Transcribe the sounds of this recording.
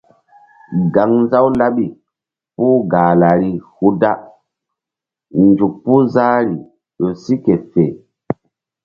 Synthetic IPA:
ɡa˨˦ŋn˦za˦wla˦ɓi˨ | puː˦ɡaː˨la˨ɾi˨hu˦da˦ | nd͡ʒu˨k̚pu˦zaː˦ɾi˨ | ɗo˨si˦ke˨fe˨

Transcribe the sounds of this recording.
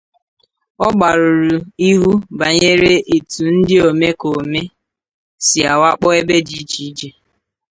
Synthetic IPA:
ɔ˦ɡ͡ba˨ɾʊ˨ɾu˨i˦ɦu˦ba˨ɲe˦ɾe˦ʔe˨tu˨n̩˦dɪ˦o˨me˦ko˨me˦ | si˨a˨wa˦k͡pɔ˦e˦be˦d͡ʒi˦t͡ʃi˦d͡ʒe˨

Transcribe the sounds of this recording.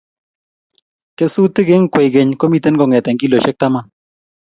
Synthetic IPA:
ke˦su˦tɪ˦ɡe˦ŋ̩˦kwe˨ɡe˨ɲko˦mi˦te˦nɡɔ˨ŋɛ˨tɛ˨ŋki˦lo˨ʃe˦k̚ta˦ma˦

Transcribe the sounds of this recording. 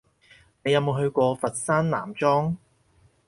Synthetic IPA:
ne˨˧jɐ˨˧wmo˨˧wɦɵ˧ɥkʷɔː˧fɐ˨t̚saː˥nna̰ː˨˩mt͡ʃɔː˥ŋ

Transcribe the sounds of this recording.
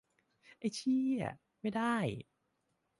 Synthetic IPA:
ʔa˧˥˩jt͡ɕʰi˥˩a̰˨˩ | ma˥˩jdaː˥˩j

